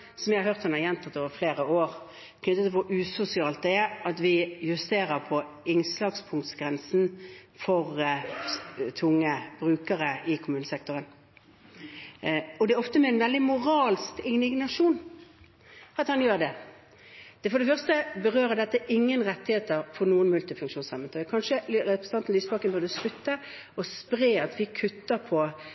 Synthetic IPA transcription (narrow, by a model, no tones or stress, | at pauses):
sɔmjæɪhɑɾhøːʁt̪hɑnɑʁjɛnt̪ʰɑt̪ːoːʋəɾfleːɾəoːʁ | kʰnʏt̪ːət̪pɔʔʉːsʊsɪɑːlt̪̚d̪ɛɛɑt̪ʋɪjʉst̪eːʁəpʰɔ | ɪŋslɑːɡspʰʊŋt̪sɡʁɛnsn̩fɔʁ | t̪ʰʊŋːəb̥ʁʉːkəʁəɪkʰʊmʉːnəsɛk̚t̪ʊʁən | ɔd̪ɛæɔft̪əmɛɛnʋɛld̪ɪmʊʁɑːlskɪɪɡnɑʂuːn | ɑt̪hɑnjøːʁd̪ɛ | d̪̥ɛfɔd̪ɛfœʁst̪əbəʁøːɾəd̪ɛt̪ːəʔɪŋːənʁɛt̪ːɪheːt̪əʁfɔʁnuːənmʉlt̪ɪfʉŋkʃuːnsɑmənt̪ʰɑjkʰɑnʂəɛpɾɛsn̩ɑnt̪n̩lyːsəbɑʁkənbʉʁd̪əskʉt̪ːə | ɔspʁeːɑt̪ʋɪkʰʉt̪ːəʁpʰɔ